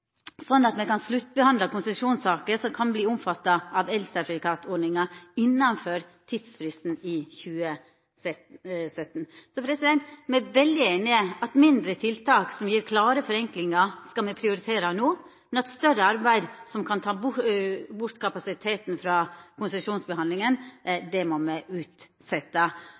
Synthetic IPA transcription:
sɔnːɑt̪mɛkɑnslʉt̪ːbəhɑnd̪lɑkʰʊnsɛʂuːnsɑːkəsɔmkʰɑnbliːʊmfɑt̪ːɑʔɑʋɛlsəpɾɪkʰɑːt̪ʰɔɖɳnɪŋɑɪnːɑnføɾt̪ʰid̪sfɾɪst̪n̩ɪçʉːə | sœt̪ːnsɔpʰɾɛsɪd̪ɛnt̪mɛʋɛld̪ɪeːnɪəɑt̪mɪnd̪ɾət̪ʰɪlt̪ʰɑːksɔmjiːɾkʰlɑːɾəfɔɾɛŋklɪŋɑskɑlmɛpʰɾɪʊɾɪt̪ʰeːɾɑnoːmɛnɑt̪st̪œɾəɑɾbæɪd̪sɔmkʰɑnt̪ʰɑː | bʊɾt̪kʰɑpɑsɪt̪ʰeːt̪nfɾɑkʰʊnsɛʂuːnsbəhɑnd̪lɪŋənd̪ɛmɔmɛɪʔʉːt̪ | sɛt̪ːɑ

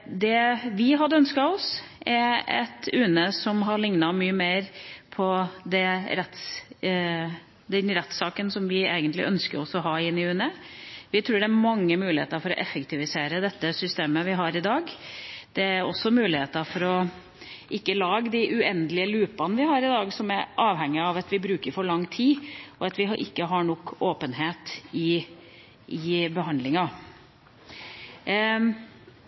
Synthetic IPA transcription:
d̪ɛʋɪɦɑd̪əœnskɑɔsʔɛɾɛ̰t̪ʉːnəsɔmɦɑɭɪŋnɑmyːəmeːɾpʰɔd̪ɛɾɛt̪s | d̪ɛnɾɛt̪sɑːkənsɔmʋɪeːɡənt̪lɪ̰ʔœnskəɾɔsɔɦɑːɪnːɪʉːnəʋɪt̪ʰɾuːɖɛæɾmɑŋːəmʉːlɪhḛːt̪əɾfɔɾɔ̰ʔɛfːəkt̪ʰɪʋɪseːɾəd̪ɛt̪ːəsʏst̪eːməʋɪɦɑɾɪd̪ɑːɡd̪̥ɛæɾɔ̰sːɔmʉːlɪheːt̪əɾfɔɾɔ | ʔɪkːəlɑːɡəd̪ɪʔʉɛnd̪lɪəlʉːpɑnəʋɪɦɑɾɪd̪ɑːɡsɔmæɾʔɑːʋɦɛŋːɪɑʋɑt̪ʋɪbɾʉːkəɾfɔɾɭɑŋːt̪ʰiːʔɔɑt̪ʋɪʔɪ̰kːəɦɑɳɔkːoːpənɦeːt̪ɪ | ɪbəɦɑnd̪lɪŋɑ

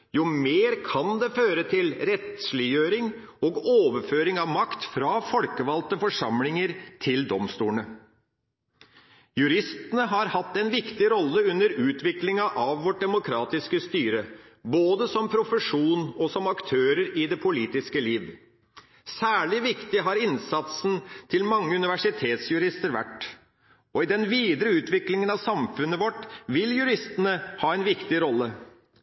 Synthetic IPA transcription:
jʊmeːɾkʰɑnd̪ɛføːɾət̪ʰɪlɾɛt̪slɪjøːɾɪŋ | ɔɡoːʋəɾføːɾɪŋɑʋmɑkt̪fɾɑfɔlkəʋɑlt̪əfɔʂɑmlɪŋəɾt̪ʰɪld̪ɔmst̪uːnə | jʉɾɪst̪ənəɦɑɾhɑt̪ːɛnʋɪkt̪ɪɾɔlːəʉnːəɾʉːt̪ʋɪklɪŋɑʔɑʋʋɔʈ̚d̪ɛmʊkʰɾɑːt̪ɪskəst̪yːɾə | boːd̪əsɔmpʰɾʊfəʂuːnɔsɔmɑkt̪ʰøːɾəɾɪd̪ɛpʰʊliːt̪ɪskəliːʋ | sæːɭɪʋɪkt̪ɪɦɑɾɪnsɑt̪snt̪ʰɪlmɑŋːəʉnɪʋæʂɪt̪ʰeːt̪sjʉɾɪst̪əɾʋæ̰ʈː | ɔɪd̪ɛnʋiːd̪ɾəʉːt̪ʋɪklɪŋənɑʋsɑmfʉnːəʋɔʈʋɪljʉɾɪst̪ənəhɑːɛnʋɪkt̪ɪɾɔlːə

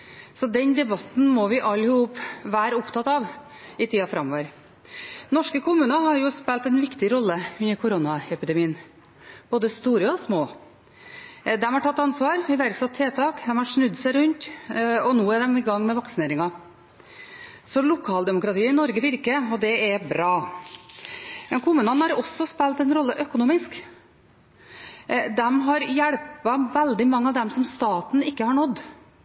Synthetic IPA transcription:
sɔd̪ɛnd̪ɛbɑt̪n̩mɔʋɪʔɑlːhʊpːʋæːɾʊpt̪ʰɑt̪ɑʋ | ɪt̪ʰiːɑfɾɑmːɔʋəɾ | nɔʂkəkʰʊmʉːnəɦɑɾjʊspɛlt̪ɛnʋɪkt̪ɪɾɔlːəʉnːəɾkʰʊɾʊnɑɛpɪd̪ɛmiːn | b̥oːd̪əst̪uːɾəɔsmoː | d̪ɛmhɑɾʈʰɑt̪ːɑnsʋɑːɾɪʋæɾksɑt̪ʰːeːt̪ʰɑːkd̪ɛmhɑʂnʉd̪sæɪɾʉnt̪ɔnoːɛɖ̪ɛmɪɡɑŋːmɛʋɑksɪneːɾɪŋɑ | sɔlʊkʰɑːld̪ɛmʊkɾɑt̪iːəɪnɔɾɡəʋɪɾkəɔd̪ɛɛbɾɑː | mɛnkʰʊmʉːnənhɑɾɔsːɔspɛlt̪ɛnɾɔlːəʔœkʊnuːmɪsk | d̪ɛmɦɑɾjæɽpɑʋɛld̪ɪmɑŋːəɑʋd̪ɛmsɔmst̪ɑːt̪n̩ɪkːəhɑɳɔd̪

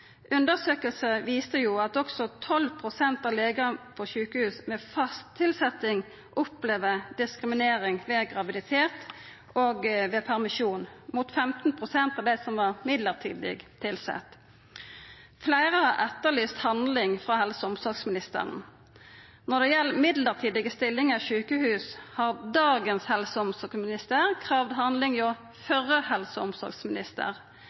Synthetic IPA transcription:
ʔʉnd̪əsøːkəlsəʋiːst̪əjuːɑt̪ɔksɔt̪ʰɔlpʰʁʊsɛnt̪ɑʋleːɡəpʰɔʃʉːkəhʉːsmɛfɑst̪ʰːɪlsɛt̪ɪŋ | ʔɔpleːʋəd̪ɪskʁɪmɪneːɾɪŋʋɛɡʁɑʋɪd̪ɪt̪ʰeːt̪ | oːɡʋeːpʰæʁmɪʃuːnmuːt̪fɛmt̪n̩pʰʁʊsɛnt̪ɑʋd̪ɛsɔmʋɑʁmɪd̪ləʁt̪ʰḭːd̪lɪ̰ɡt̪ʰɪlsɛ̰t̪ː | flæɪʁəhɑʁɛt̪ːəlyːst̪hɑnd̪lɪŋfʁɑhɛlsəɔmsɔɾɡsmɪnɪst̪ə̰ʁə̰n | nɔʁd̪ɛjɛlːmɪd̪ləʁt̪ʰiːd̪ɪɡəst̪ɪlːɪŋəʃʉːkəhʉːshɑʁd̪ɑːɡənshɛlsəɔmsɔksmɪnɪst̪əʁkʰʁɑːʋd̪ɦɑnd̪lɪŋjɔː | fœʁːəhɛlsəɔmsɔ̰ɾɡsmɪnɪst̪ə̰ʁ

